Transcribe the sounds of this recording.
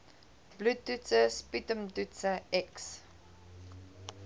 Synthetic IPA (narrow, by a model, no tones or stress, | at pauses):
b̥lutːutsəspitəmtutsəɛks